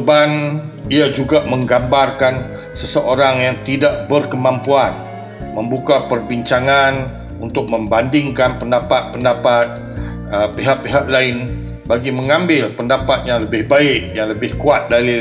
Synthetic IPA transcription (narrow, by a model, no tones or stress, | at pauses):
ban | iad͡ʒuɡaməŋɡambarkan | səsəʔoɾaŋjaŋt̪idaʔ̚bərkəmãmpuan | məmbukapərbiɲt͡ʃaŋan | unt̪ʊk̚mə̃mbandɪŋkanpəndapat̪̚pəndapat̪̚ | əpiɦaʔ̚piɦaʔlaɪn | baɡiməŋãmbɪlpəndapat̪̚jaŋləbɪhbaɪʔ̚jaŋləbɪhkuat̪̚dali